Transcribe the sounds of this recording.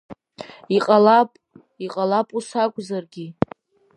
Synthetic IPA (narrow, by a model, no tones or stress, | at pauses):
iqʼalapʼ | iqʼalapʼusakʷʼzarɡʲi